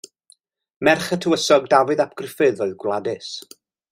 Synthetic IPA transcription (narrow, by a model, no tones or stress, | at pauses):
mɛrχətʰəəsɔɡ̚davɨðapʰɡ̥rɪfɨðɔjðɡwlˠadɨs